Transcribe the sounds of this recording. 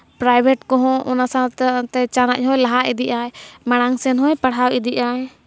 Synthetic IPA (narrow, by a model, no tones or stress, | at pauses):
pɾajbʱɛʈkɔɦɔ̃ʔɔnasat̪ɛt͡ʃanaʔɦɔjlaɦaʔid̪iʔajmaɽ̃aŋsɛnɦɔjpaɽɦawid̪iʔaj